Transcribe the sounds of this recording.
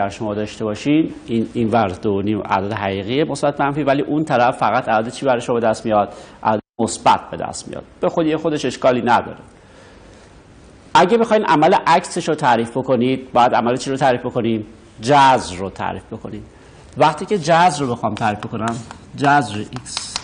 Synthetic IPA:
æɾʃomɒːd̪ɒːʃt̪e̞bɒːʃinininvæɾd̪oniːmʔæ̰d̪ɒd̪eɦæʁiːɣijemosbæt̪̚mænfivæliːʔunt̪ʰæɾæfːæɣæt̪ʰælɒːd̪et͡ʃʰiːbæɾeʃobe̞d̪æst̪mijɒd̪̥ʔæ̰lɒːd̪emosbæ̰t̪̚ʰbe̞d̪æ̰st̪mḭjɒ̰ːd̪̥̚b̥e̞xod̪iːjexod̪e̞ʃe̞ʃkɒːliːnæd̪ɒ̰ːɾe | ʔæɟebexɒːjnʔæmæleʔækse̞ʃɾot̪ʰæɾiːfbo̞ko̞niːd̪̥̚bɒːjæd̪æ̰mælet͡ʃʰiɾot̪ʰæɾiːfbe̞ko̞nim | d͡ʒæzrot̪ʰæ̰ɾiːfbe̞kʰo̞niːm | væχt̪ʰiːce̞d͡ʒæzɾobe̞xɒːmt̪ʰæːɾiːfboko̞næm | d͡ʒæzɾeʔis

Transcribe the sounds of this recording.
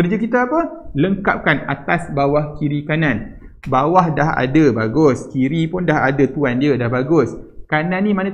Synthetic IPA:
kərd͡ʒəkit̪aːpələŋka̰p̚kana̰t̪asbawahkiɾikanan | bawahdaɦa̰dəbaɡʊskiɾipʊndaɦadət̪uandiədahbaɡʊskanãnːĩmanã

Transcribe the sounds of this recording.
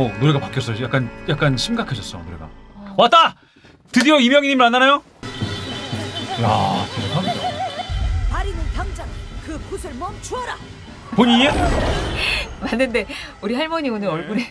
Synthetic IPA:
onoɾe̞ɡapak͈jʌs͈ʌjak͈anjak͈anɕʰimɡakʰed͡ʑʰʌs͈ʌnoɾe̞ɡa̰wat͈a | tɯdijoimjʌŋiɲimɯɭanːanajo | ja̰tʰeɾekʰamida̰ | paɾinɯntʰaŋd͡ʑaŋkɯkusʰɯɭmʌmt͡ɕʰuʌɾa | poɲie | manːɯnde̞ | uɾiɦaɭmʌɲionɯɾʌɭɡune

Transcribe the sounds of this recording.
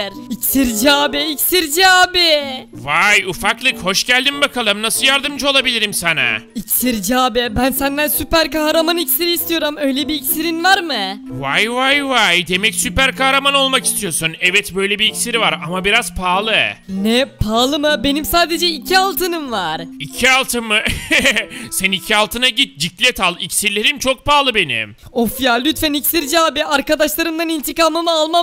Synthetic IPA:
ɾicsiɾd͡ʒaːbɛicsiɾd͡ʒaːbivajufaklˠɯkho̞ʃɟælʲd̪imbakʰalˠɯmnasɯljaɾd̪ɯmd͡ʒɯo̞lˠabilʲiɾimsanɛ̰icsiɾd͡ʒaːbɛbænsænd̪ænsypæɾkahɾamanicsiɾiːst̪ʰijo̞ɾumø̞jlʲɛbiːcsiɾinvaɾmɯvajvajvajd̪e̞mɛcsypæɾkahɾamano̞lˠmakist̪ʰijo̞sunɛvɛt̪bø̞jlʲɛbiːcsiɾivaɾamabiɾaz̥pʰaːlˠɯnɛpʰaːlˠɯmɯbe̞nimsaːd̪e̞d͡ʒɛicʰialˠt̪ʰɯnɯmvaɾ̥icʰialˠt̪ʰɯmɯ | sænicʰialˠt̪ʰɯnaɟit̪̚d͡ʒiclʲɛt̪ʰalˠicsiɾlʲeɾint͡ʃʰo̞k̚paːlˠɯbe̞nḭm | ofijalʲːyt̪fænicsiɾd͡ʒaːbiaɾkad̪aʃlˠaɾɯmd̪anint̪ʰikaːmɯmɯalˠma

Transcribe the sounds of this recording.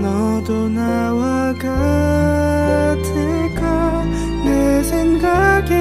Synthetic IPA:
nɔ | d̪ona | wa | ka | tʰe | ɡa | nesʰeŋɡaɡe

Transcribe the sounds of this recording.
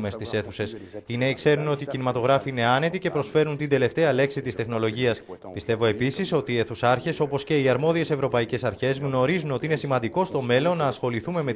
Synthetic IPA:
mest̪ise̞θuse̞sineikse̞ɾuno̞t̪iːcinimɐt̪o̞ɣɾɐfiine̞ɐne̞t̪ice̞pɾo̞sfe̞ɾunt̪ind̪e̞le̞ft̪e̞ɐle̞ksit̪ist̪e̞xno̞lo̞ʝiɐspist̪e̞vo̞e̞pisiso̞t̪ie̞θusɐɾçe̞so̞po̞sceiɐɾmo̞ðie̞se̞vɾo̞pɐice̞sɐɾçe̞zɣno̞ɾizuno̞t̪iine̞simɐnd̪iko̞st̪o̞me̞lo̞nːɐːsxo̞liθume̞me̞

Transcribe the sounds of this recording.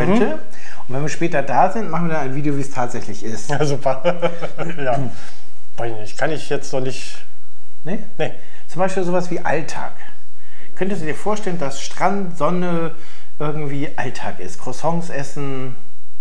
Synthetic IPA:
œntə | ʊntv̥ɛnviːɐʃpɛːtɐdaːzɪntmaχn̩viːɐdanaɪnviːdejoviːstʰaːtz̥ɛçlɪçɪst | zuːpʰɐ | jaː | v̥aɪzɪçnɪçkʰanɪçjɛt͡stnɔχnɪçt | nə | nə | t͡sʊmbaɪʃpiːlzoːvasv̥iːʔa̰ltʰa̰ːk | kʰœntəsd̥uːdiːɐfoːɐʃtɛləndasʃtʁ̥antz̥ɔnə | ʔɪɐɡŋ̩tv̥iːʔaltʰaːkɪ̰stkʰʁ̥osɔŋsʔɛsn̩

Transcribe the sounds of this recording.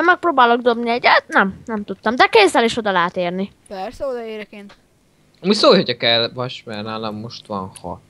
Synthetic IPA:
mɛk̚proːbaːlo̞ɡ̚d̪o̞bniɛɟɛt̪nɛmnɛmt̪ut̪ːɒmd̪ɛkeːzːɛleːʃo̞d̪ɒlaːt̪eːrni | pɛrsɛod̪ɒeːɾɛkeːnt̪ | ɒmucsoːlhocɒkɛlvɒʃmɛrnaːlɒmːo̞ʃt̪ʋɒnhɒ̰

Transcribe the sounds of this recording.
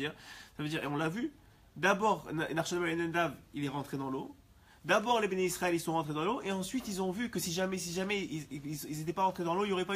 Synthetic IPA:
iʁsavød̪iʁḛɔ̃lːavy | d̪abɔʁnnaʁʃɔnmalenɛnd̪avilɛʁɑ̃t̪χed̪ɑ̃lo | d̪abɔʁlebeneisχaɛlisɔ̃ʁɑ̃t̪χed̪ɑ̃loʔeɑ̃sɥit̪ilzɔ̃vykəsiʒamɛsiʒamɛiilzet̪ɛpaʁɑ̃t̪χed̪ɑ̃loiljoʁɛpa

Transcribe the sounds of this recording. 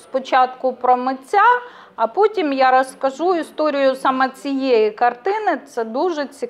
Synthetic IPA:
spɔt͡ʃɑt̪kʊpɾɔmɪt͡sʲːa | ɐpɔtʲimjaɾɐskɐʒuist̪ɔɾʲɪjʊsɑmɛt͡sʲijɛjikɐrt̪ɪnɪt̪sɛd̪uʒɛt͡sʲi

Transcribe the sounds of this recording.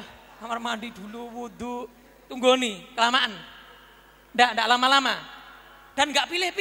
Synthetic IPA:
h | amarmandid̥̪uluwud̪u | t̪uŋɡonikəlamaʔan | ndaʔndaʔlamalama | d̥a̤nŋɡaʔpilɪhp

